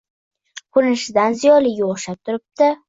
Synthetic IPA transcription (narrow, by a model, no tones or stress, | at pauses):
kʰʊɾnɪʃɪd̪anzijɒlɪɡʲaoχʃap̚t̪ʰʊɾɪp̚t̪ɪ